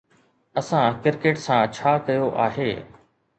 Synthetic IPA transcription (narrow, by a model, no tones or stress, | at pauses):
ɐsãkɪɾkeːʈsãt͡ɕʰaːkɐjoʔa̰ːɦeː